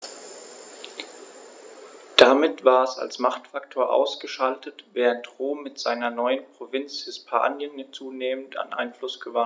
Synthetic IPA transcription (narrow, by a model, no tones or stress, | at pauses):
d̥amɪtv̥aːɐɛsa̰lsmaχtfaktʰoːɐʔa̰ʊsɡ̥əʃaltətvɛːʁəntʁoːmːɪtz̥aɪnɐnɔʏənpʁ̥ovɪnt͡shɪspʰa̰ːnjənt͡suːneːməntʰa̰nʔa̰ɪnflʊsɡ̥əva